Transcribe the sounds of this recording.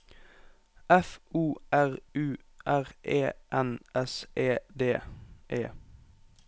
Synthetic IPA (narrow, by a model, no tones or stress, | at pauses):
ɛfuːæʁʉː | ʔæʁʔeːʔɛnɛsʔeːd̪eːʔeː